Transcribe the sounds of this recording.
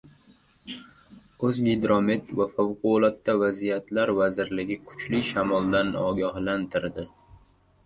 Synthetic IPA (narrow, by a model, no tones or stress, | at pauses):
ɵzɡʲed̪ɾomet̪vafawqʊlˠat̪ːavazijat̪ʰlaɾvazɪɾlɪɡʲɪkʰʊ̥t͡ʃlɪʃamɒlˠd̪anɒɡʲahlant̪ʰɪɾd̪ɪ